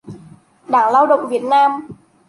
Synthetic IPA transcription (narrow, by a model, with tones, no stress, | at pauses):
ɗaː˧˩ŋlaː˧wɗə̰˧˨wŋ͡mvi˨˩ət̚naː˧m